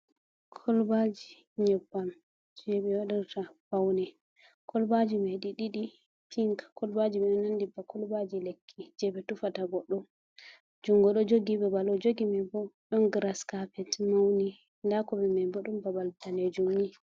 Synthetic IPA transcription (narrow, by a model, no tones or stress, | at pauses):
kʰɔlbad͡ʒi | ɲɛbːam | d͡ʒujɛɓɛwaɗiɾtab̥awnɛ | kʰɔlbad͡ʒimaɗiɗiɗi | tʰiŋkḁkɔlbad͡ʒimɛɗɔnandibakʰɔlbad͡ʒilekʰːid͡ʒɛbɛtufataɡɔɗːɔ | d͡ʒuŋɡɔɗɔd͡ʒoɡibɛbalɔd͡ʒoɡimɛbɔɗɔnɡɾaskapɛtmawni | ndakɔbɛmɛbɔɗumbabaltaned͡ʒumːi